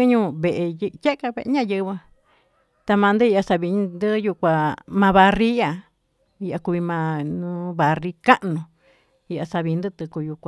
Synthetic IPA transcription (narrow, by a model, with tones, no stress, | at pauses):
ɨ˦ɲũː˦βe˨ʔe˧jje˦ʔka˧βḛ˧ʔɲã˦˨jɨ˧βɨ˧ | t̪a˧mã˧nd̪ɨ˦i˧ʔa˧sa˧βi˧˦nd̪ɨ˦ju˧kʷa˧mã˧βa˧ri˦a˧ | i˧ʔa˧ku˧βi˧mã˧nũ˦βa˨ri˧ka˦ʔnũ˧ | i˧ʔa˧sa˧βi˧nd̪ɨ˦t̪ɨ˧ku˧ju˧kʷa